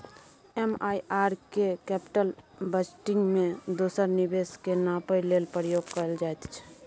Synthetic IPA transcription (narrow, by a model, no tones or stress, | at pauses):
emaiʔaɾkekɛpi̥ʈəlbəsʈɪ̃ŋɡmẽd̪osəɾnibeskenapəjlelpəɾəjoɡ̚kəɾəld͡ʒaɛt̪t͡ʃʰɛ̥